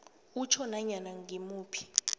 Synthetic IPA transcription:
ut͡ʃʰɔnaɲanaŋimuːpʰi̥

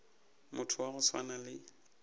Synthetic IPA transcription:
mʊtʰʊwaɣʊswa̰nalɪ

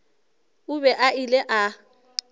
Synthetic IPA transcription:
ʊbɛʔailɛʔa

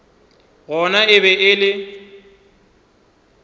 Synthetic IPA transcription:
ɣɔnaɪbɛʔɪlɪ

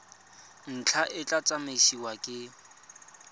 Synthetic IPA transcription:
n̩t͡ɬʰaʔɪt͡ɬʼat͡sʼameʃiwakʼɪ

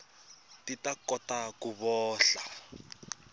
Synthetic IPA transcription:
titakɔtakuβɔːɬa

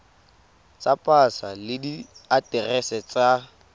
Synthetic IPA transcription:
t͡sʼapʼasalɪdiatʼɛrɛsɛt͡sʼa

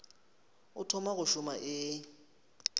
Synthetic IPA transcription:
ʊtʰɔmaɣʊʃʊmaʔɪ

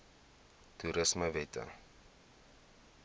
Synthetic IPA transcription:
tuɾəsməvɛtʰə̰

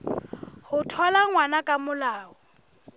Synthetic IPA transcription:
hʊtʰwalaŋwanakʼamʊlaːɔ

